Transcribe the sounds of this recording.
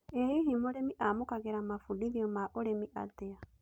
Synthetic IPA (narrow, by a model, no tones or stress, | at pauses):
ehiɦimoɾemiʔamokaɣeɾamafudiðiɔmaʔoɾemiʔa̰tea